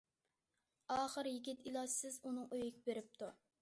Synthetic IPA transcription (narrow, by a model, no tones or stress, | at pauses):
ɑːχəɾjiɡʲit̪ilˠɑsɪzunɨŋøjɪkʲɪbeɾɪp̚t̪ʰu